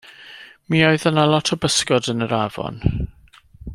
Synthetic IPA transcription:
miːoɨðənalˠɔtʰɔbəskɔdənəɾavɔ̰n

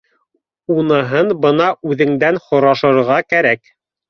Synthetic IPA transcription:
unɤ̆ɦɤnbɤnɑʉðɘ̆ŋd̪ænχŏɾɑʃɤ̆ɾʁɑkæɾæk

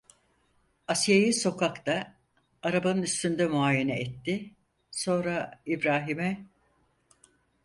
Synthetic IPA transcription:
asjajiso̞kʰakt̪aː | ɾabanɯnyst̪ynd̪ɛmuaːjenɛɛt̪ːɪ | so̞nɾaibɾaːɦimɛ

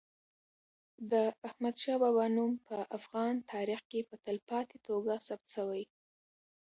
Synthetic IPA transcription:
d̪əahmad̪ʃɑbabɑnumpəʔafɣɑnt̪ʰɑɾixkepət̪əlpɑt̪et̪oɡasab̚t̪ʃəwaj

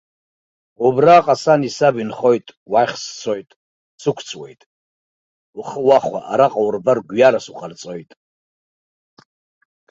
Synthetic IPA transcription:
ubraːqʼasanisabinχo̞jtʼwajχʲst͡sʰojtʼ | sɨkʷʰt͡sʰʼwe̞jtʼ | uχəwaχʷa̰ʔaɾaqʼawrbarɡʷjalasuqʼart͡sʼojtʼ

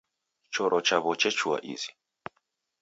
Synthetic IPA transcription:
t͡ʃɔɾʔɔt͡ʃaβɔt͡ʃɛt͡ʃua̰ʔḭzi̥

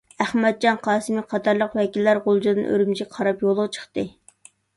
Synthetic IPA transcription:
æχmɛd̪̚d͡ʒɑnqʰɑːsɨmiqʰɑt̪ɑɾlˠəqwɛkʲilːæɾʁolˠd͡ʒd̪ɨnʔø̰ɾymt͡ʃʰiqʰɑɾɑpjolˠːəʁt͡ʃʰə̥χt̪ɨ

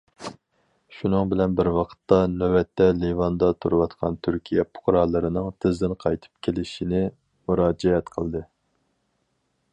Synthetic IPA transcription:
ʃunɨŋbɪlɛnbɪɾwɑqʰə̥t̪ːɑnøwɛt̪ʰːɛlivɑnd̪ɑt̪ʰuɾɨwɑt̪qʰɑ̰nt̪ʰyɾkʲʰijɛpʰʊ̥qɾɑlˠːɨɾɨnɨŋt̪ʰɪzd̪ɪnqʰɑjt̪ʰɨ̥p̚kʲʰelɪʃinɪ | muɾɑːd͡ʒɛɛt̪qʰəlˠd̪ɨ

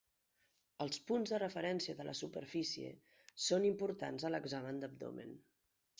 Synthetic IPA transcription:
əlˠspunzðərəfəɾɛnsiəðəlʔəsupəɾfisiḛ | sonimpuɾt̪a̰nzələɡzamənd̪əb̚d̪o̰mḛn

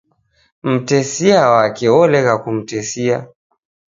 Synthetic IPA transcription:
m̩tɛsiawakɛɔlɛɣakum̩tɛsia

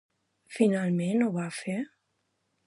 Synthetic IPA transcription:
finalˠmenoβafe

